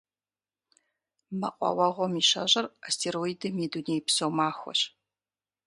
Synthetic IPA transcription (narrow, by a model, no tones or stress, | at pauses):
mɐqʷʼɔ̰wɐʁʷɔmiʃɐʑɐrastʰeɾoidɨmeːduneːjpsowmaːxʷɔ̰ɕ